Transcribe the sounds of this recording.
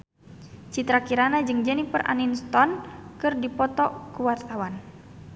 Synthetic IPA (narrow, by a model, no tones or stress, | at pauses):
t͡ʃit̪ɾakiɾanad͡ʒɨŋd͡ʒənipərʔa̰ninst̪ɔnkɨrdipɔt̪ɔkuwart̪awan